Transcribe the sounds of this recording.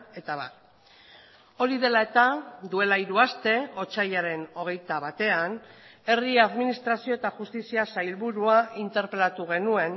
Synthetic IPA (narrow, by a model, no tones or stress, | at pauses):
e̞t̪aβa̰ | o̞ɾiðe̞lae̞t̪ad̪ue̞laiɾuast̪e̞o̞t͡ʃajaɾe̞no̞ɣ̞e̞jt̪aβ̞at̪e̞ane̞riaðminist̪ɾasio̞et̪aʝust̪isiasajlβuɾuaint̪e̞ɾpe̞lat̪uɣe̞nue̞n